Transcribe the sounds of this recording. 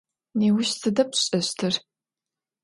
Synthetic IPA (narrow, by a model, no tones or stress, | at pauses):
neːwʊɕsʰɨdɐpɕʼɐɕtʰɨr